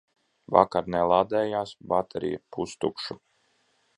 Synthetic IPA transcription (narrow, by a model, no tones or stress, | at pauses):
va̰kaɾnɛlˠad̪ɛːjaːsbat̪ʰeɾḭjapust̪ukʃu